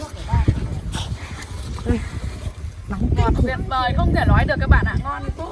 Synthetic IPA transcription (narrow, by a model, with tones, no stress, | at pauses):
kɔ˨˩nḭ˨˩ənvəː˨˩jxə˧wŋ͡mt̪ʰe˧˩lwaː˨˦jɗɨ˨˩ək̚ːɓa̰ː˧˨nʔa̰ː˧˨ŋkɔ˧n˦˥